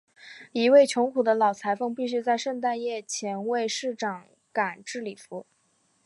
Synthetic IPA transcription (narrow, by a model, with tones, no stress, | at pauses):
i˧˥we˥˩ɪt͡ɕʰjʊ˧˥ŋkʰu˨˩d̪ə˦lɑ˨˩ʊt͡sʰa˧˥ɪfɤ˥˧ŋpi˥˩˧ɕy˥˧t͡sa˥˧ɪʂɤ˥˧ŋt̪̬a˥˧njɛ˥˩t͡ɕʰjɛ˧˥nwe˥˧ɪʂɻ̩˥˩ʈ͡ʂɑ˨˩ŋ | ka˨˩nʈ͡ʂɻ̩˥˩li˨˩fu˧˥